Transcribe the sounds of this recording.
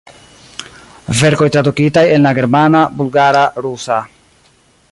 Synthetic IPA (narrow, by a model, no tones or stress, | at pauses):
ve̞ɾko̞jtɾadukitaje̞nlaɡe̞ɾmanabulɡaɾaɾusa